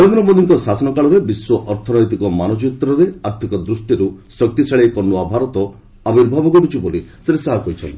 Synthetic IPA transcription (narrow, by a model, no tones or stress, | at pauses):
eɭod̪ɾɔbɔd̪iŋkɔsasɔnɔkaɭɔɾebiswɔʔɔɾt̪ʰɔnɔjt̪ikɔmanɔt͡ʃit̪ɾɔɾeaɾt̪ʰikɔd̪ɾusʈiɾusɔk̚t̪iseɭekɔɾnuabʱaɾɔt̪ɔ | abiɾbʱabɔɡɔʈut͡ʃʰibolisɾesaɦakojt͡ʃʰɔ̰nt̪i